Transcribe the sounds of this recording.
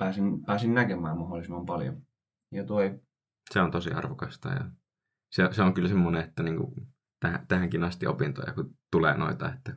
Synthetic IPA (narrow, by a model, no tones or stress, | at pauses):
pæːsinpæːsinnækemæːmmɑholːˑisimːɑmpɑljo̰ | jɑt̪oi | seont̪osiɑ̰rʋokɑst̪ɑ̰jɑ̰ | seseoŋkylsemːoneet̪ːæniːŋkṵ | t̪ææt̪æhæŋkinɑst̪io̰pint̪o̰jɑ̰kut̪ulḛːno̰it̪ɑ̰et̪ːæ